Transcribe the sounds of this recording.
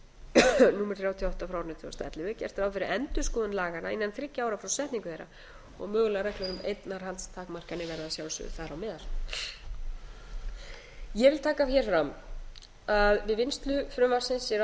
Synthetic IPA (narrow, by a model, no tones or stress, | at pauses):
nuːmɛɾ̥θɾjawt̪ʰiɔht̪afɾawɾnɪt̪ʰɔ̰st̪ɛ̰t̪lɪvɪcɛ̰r̥t̪ɾawfɪɾɪɛnt̪ʏ̥skɔːðʏnlaːɣanainːanθɾɪcːaaːwɾafɾawsɛht̪niŋkʏ̥θejɾːa̰ | ɔ̰ɣmʏːɣlaɾɛhklɛɾʏmḛjt̪naɾhɦalt̪st̪ʰaːkmar̥kanɪvɛɾðasjawlsʏ̰θaðɾawmɛːðal̥ | jɛvɪlt̪ʰaːkaçɛɾ̥fɾam | aðvɪðvɪnst̪lʏfɾʏmaɾsɪnsːjɛɾ